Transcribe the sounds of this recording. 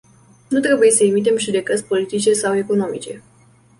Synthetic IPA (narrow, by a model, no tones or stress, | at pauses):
nut̪ɾe̞bujesəemit̪̬e̞mʒud̪e̞kət̪sʲpo̞lit̪it͡ʃe̞sawe̞ko̞no̞mḭt͡ʃe̞̰